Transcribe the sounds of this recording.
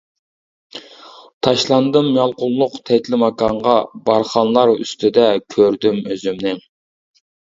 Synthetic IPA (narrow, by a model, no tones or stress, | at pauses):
t̪ʰɑʃlˠɑnd̪ɨmjɑlˠqʊlˠːʊqt̪ʰɛt̪lɪmɑkɑɴʁɑbɑɾχɑnlˠɑɾy̰st̪ʰɪd̪ɛkʲʰøɾd̪ymøzymnɪ